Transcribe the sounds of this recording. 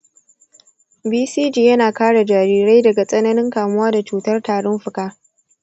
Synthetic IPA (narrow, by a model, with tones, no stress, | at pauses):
biː˦siː˦d͡ʒiː˨jɐ˦naː˨kaː˦ɽa˨d͡ʒaː˨ɾiː˦ɾa˦jdɐ˨ɡa˨sʼɐ˦nɐ˦nɪ˦ŋkaː˨mʊ˦waː˦da˨t͡ʃuː˨tɐ˦rtaː˨ɽɔ˦mɸʊ˨kaː˦